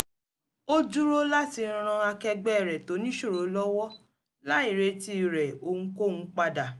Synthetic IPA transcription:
o˦d͡ʒu˦ɾo˦la˦ti˧ɾ̃ɾ̃ã˧a˧kɛ˧ɡ͡bɛ˦˨ɾɛ˨to˨˦nĩ˦ʃo˦˨ɾo˨˦lɔ˦wɔ˦ | la˨˦i˦˨ɾe˧ti˦˨ɾɛ˨õ˧˦ko˦˨nũ˨˦k͡pa˧da˨

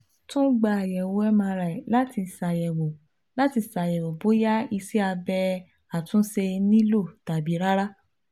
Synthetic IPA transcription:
tũ˦ɡ͡ba˧a˨jɛ˨wo˨˦ɛ˦mã˧ɾa˨la˦ti˧˨sa˨jɛ˨wo˨ | la˨˦ti˧sa˨jɛ˨wo˨bo˨˦ja˦i˧si˦a˧bɛ˧ | a˨tũ˦se˧nĩ˦lo˦˨ta˨bi˨˦ɾa˦ɾa˦

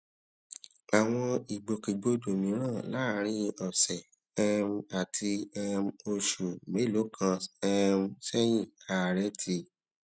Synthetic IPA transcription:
a˨w̃ɔ̃˧i˨ɡ͡bo˨ke˨ɡ͡bo˧do˨mĩ˨˦ɾ̃ãː˦˨la˨˦˧ɾ̃ĩ˧ɔ˨sɛ˨ | ɛ˦˧m˦a˨tʰi˧ɛ˧m˦o˧ʃu˨me˨˦lo˨˦kʰã˧ɛ˦˧m˦sɛ˦j̃ĩ˦˨a˨ɾɛ˦tʰi˧˨

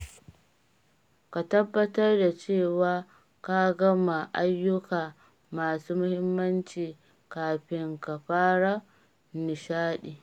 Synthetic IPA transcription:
ka˨tɐ˦bːɐ˦tɐ˦rda˨t͡ʃeː˦˨waː˦ | ka˦ɡɐ˦ma˨ʔa˦jːʊ˦kaː˨ | maː˨suː˦mʊ˦hɪ˦mːɐ˦nt͡ʃiː˨ | kaː˨ɸɪ˦ŋka˨ɸaː˦ɽa˦ | nɪ˨ʃaː˦ɗiː˨

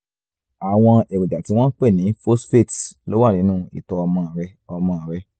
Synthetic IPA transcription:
a˨w̃ɔ̃˧e˨we˨d͡ʒa˨ti˨˦w̃ɔ̃˦k͡pɛ˦˨nĩ˨˦fo˦sfe˦˨tlo˦wa˦˨nĩ˨˦nũː˦˨ḭ˨tɔ˧ɔ˧mɔ̃˧˨ɾɛ˧ɔ˧mɔ̃˧a˨ɾɛ˧

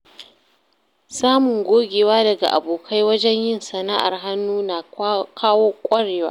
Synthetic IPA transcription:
saː˦mʊ˨ŋɡʷoː˦ɡʲeː˨waː˦dɐ˨ɡa̰˨ʔa̰˨boː˨kʰa˦jwɐ˦d͡ʒɛ˦ɲjɪ˦nsɐ˨na˦ʔa̰˨rɦa˦nːuː˦na˨kʰaː˦woː˦kʷʼɐ˦ɽeː˨waː˦

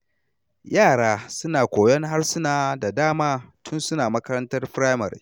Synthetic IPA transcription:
jaː˦˨ɽaː˦sʊ˦naː˨kʷoː˨jɔ˦ŋɦa˦rsʊ˦naː˨da˨daː˦maː˦tʰʊ˦nsʊ˦naː˨mɐ˦kɐ˦ɾɐ˦ntɐ˦rɸɾaː˦jmɐ̰˨ɾḭ˨

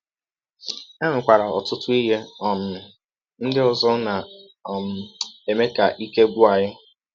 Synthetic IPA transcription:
e˦mɪ˨kʷa˨ɾa˨ɔ̰˨tʊ˦tʊ˦i˦ɦe˦ɔ˦˨m̩˨mɪ˨ | n̩˦dɪ˦ʊ˨zɔ˦na˨ | m̩˦e˨me˦ka˨ʔi˦ke˦ɡʷu˦a˨ɲɪ˦

